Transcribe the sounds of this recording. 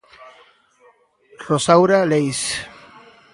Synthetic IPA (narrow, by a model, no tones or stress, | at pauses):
rosawɾalejs